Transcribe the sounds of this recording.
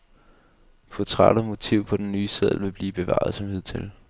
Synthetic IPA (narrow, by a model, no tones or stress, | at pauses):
fʰot͡sʰʁɑ̰ɾ̥ɐmo̝t͡sʰiʊ̰pʰɒ̽d̥enːyːseð̰ˠʋe̝b̥liːb̥e̝ʋɑ̰̈ð̞̩ˠsɒ̽mhið̰ˠt͡sʰe̝l